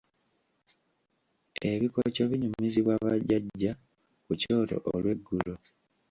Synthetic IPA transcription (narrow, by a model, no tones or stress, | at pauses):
eβikocoβiɲumiziβwaβaɟːaɟːa | kuco̞ːto̰ʔolwe̞ɡːulo